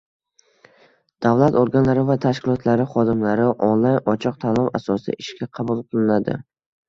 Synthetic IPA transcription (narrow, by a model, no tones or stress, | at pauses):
d̪̥avlˠat̪oɾɡʲanlaɾɪvat̪ʰaʃkʲɪlˠɒt̪ʰlaɾɪχɒd̪ɪmlaɾɪʔɒnlˠajnɒt͡ʃʰɒq̚t̪ʰalˠɒmasɒsɪ̰ʔɪʃkʲaqʰɑbulˠqʰɨlˠɪnad̪ɪ̰